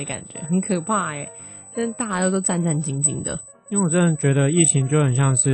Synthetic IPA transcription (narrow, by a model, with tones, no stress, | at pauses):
ə˧ka̰˨˩nt͡ɕɥɛ̰˧˥xə˧˥nkʰɤ˨˩pʰa˥˩ɛ˨˩ | t̪t̪a˥˩t͡ɕa˥t̪o˥˧t̪o˥ʊt͡sa˥˧nʈ͡ʂa˥˩nt͡ɕi˧˥ŋt͡ɕi˧˥ŋd̪ə̰˨˦ | i˥wɛ˧˩wɔ˨˩ʈ͡ʂɤ˥˧˩ə˥t͡ɕɥɛ˧˥d̪ə˧i˥˩t͡ɕʰi˧˥ŋt͡ɕjo˥˩ʊxə˨˩nɕjɑ˥˧ŋʂɻ̩˥˩